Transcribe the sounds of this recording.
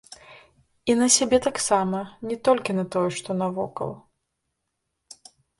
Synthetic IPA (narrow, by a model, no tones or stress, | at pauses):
inɐsʲabʲɛt̪aksamɐnʲɛt̪ɔlʲkʲinɐt̪ɔjɛʂt̪ɔnɐvɔ̰kɐ̰w